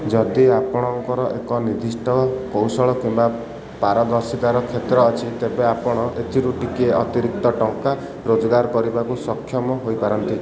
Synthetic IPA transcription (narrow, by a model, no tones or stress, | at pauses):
d͡ʒɔd̪iapɔɽ̃ɔŋkɔɾɔʔekɔnid̪ʱisʈɔkowsɔɭɔkimba | paɾɔd̪ɔɾsit̪aɾɔkʰet̪ɾɔːt͡ʃʰit̪ebeapɔɽ̃ɔʔet̪ʰiɾuʈikieʔɔt̪iɾik̚t̪ɔʈɔŋka | ɾod͡ʒɔɡaɾkɔɾibakusɔkʰːjɔmɔɦojpaɾɔnt̪i